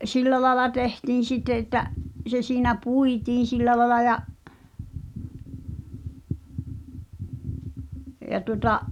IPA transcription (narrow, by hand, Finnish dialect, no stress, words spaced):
silːæ lɑelɑ tehtiːn̞ sitːe etːæʔ se siːnæ puitiːn̞ silːæ lɑĕlɑ jɑʔ jɑ tuŏtɑʔ